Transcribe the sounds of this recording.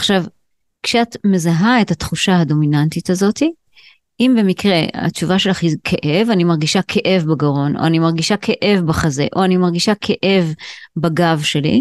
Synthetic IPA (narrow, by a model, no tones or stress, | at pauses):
ʔaχʃav | kʃeat̪me̞zaɦae̞that̪χuʃaɦado̞minantitazo̞ti | ʔimbe̞mikʁe̞̰a̰t͡ʃuvaʃe̞laχizkʰeʔe̞vanimaʁɡiʃakʰeʔe̞vbaɡaʁo̞nʔo̰animaʁɡiʃakʰeʔe̞vbaχaze̞̰ʔo̞animaʁɡiʃakʰeʔe̞vbaɡavʃe̞lḭ